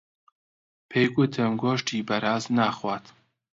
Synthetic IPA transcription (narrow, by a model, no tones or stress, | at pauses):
pʰeːjɡʊt̪ʰɨmɡoːʃtʰiːbɐɾaːznaːxwaːt̪